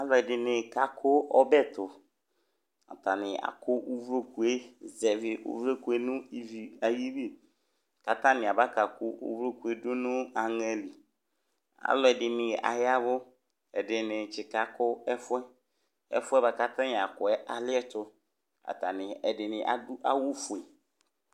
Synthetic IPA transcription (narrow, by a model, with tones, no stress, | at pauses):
a˦lɔ˨ɛ˨dɪ˨nɪ̃˨ka˨kʰʊ˦ʔɔ˦bɛ˦tʊ˨ | a̰˨ta˨nɪ̃˨a̰˨kʰʊ˦ʔu˦vɾo˦ku˨e˦zɛ˨vɪ˨ṵ˦vɾo˦ku˨e˦nʊ̃˦i˦vi˨a˨ji˦bi˦ | ka˨tã˦nɪ̃˨a˨ba˦ka˨kʊ˦ʔṵ˦vɾo˦ku˨e˦dʊ˦nʊ̃˦a˨ŋɛ˦li˨ | a̰˨lɔ˨ɛ˨dɪ˨nɪ̃˨ʔa̰˨ja˦bʊ˦ | ɛ˨dɪ˨nɪ̃˨t͡ʃɪ˨ka˨kʊ˦ɛ˦fʊ˦ɛ˦ | ɛ̰˦fʊ˦ɛ˦ba˨ka˦tã˦nɪ˨a˨kʊ˨ɛ˦ʔa˨lɪ˦ɛ˦tʊ˨ | a̰˨ta˨nɪ̃˨ɛ˨dɪ˨nɪ̃˨ʔa˨dʊ˦ʔa˦wʊ˦fʊ˨e˨